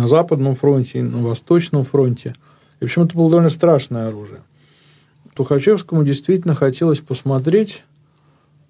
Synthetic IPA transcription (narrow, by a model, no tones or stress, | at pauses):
ɐzapəd̪nəmfɾo̞nʲtʲɪinəvɐst̪o̞t͡ɕnəmfɾo̞nʲtʲɪ | ipəɕomɛt̪əbɨlˠəd̪ɐvolnəst̪ɾaʂnəjəɐɾuʐɨjə | t̪ʊxɐt͡ɕe̞fskəmʊdʲɪjst̪vʲitʲɪlʲnəxɐtʲe̞lˠəsʲpəsmɐt̪ɾʲetʲ